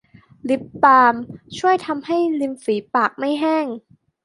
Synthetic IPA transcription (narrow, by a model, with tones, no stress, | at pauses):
li˦˥pːaː˧mt͡ɕʰu˥˩əjt̪ʰa˧mha˥˩jli˧mfiː˩˦paː˨˩k̚ma˥˩jɦɛː˥˩ŋ